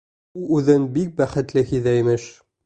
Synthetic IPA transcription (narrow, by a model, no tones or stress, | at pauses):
uʉðɘnbik̚bæχɘ̆t̪lɘhiðæimɘʃ